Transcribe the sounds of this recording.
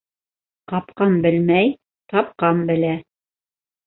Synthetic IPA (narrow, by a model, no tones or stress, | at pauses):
qɑpqɑmbɘlmæj | t̪ɑp̚qɑmbɘ̆læ